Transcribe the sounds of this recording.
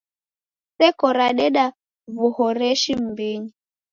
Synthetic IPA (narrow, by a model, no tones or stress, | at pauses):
sɛkɔɾaɗɛɗa | vuhɔɾɛʃim̩biɲi